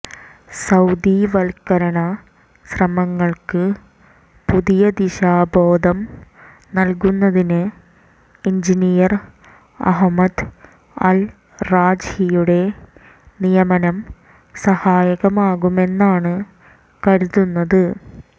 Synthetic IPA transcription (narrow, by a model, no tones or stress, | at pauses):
sɐwd̪iʋɐlkɐɾɐɳɐ | ɕrɐmɐŋːɐɭkɨ | puðijɐd̪iɕaːbo̞ːd̪ʱɐm | nɐlkunːɐðinɨ | iɲd͡ʑinijɐr | ɐ̰ɦmɐd̪ | ɐ̰l | raːd͡ʑhijuɽe̞ | nijɐmɐnɐm | sɐhaːjɐɣɐmaːɣume̞nːaːɳɨ | kɐɾuðunːɐðɨ